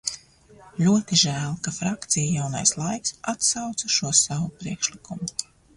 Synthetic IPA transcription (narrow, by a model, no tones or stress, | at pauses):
lʲuɔt̪iʒæːlˠkafɾakt̪sijajawna̰jslˠajksat̪sawt̪saʃuɔsavupɾiɛkʃlikumu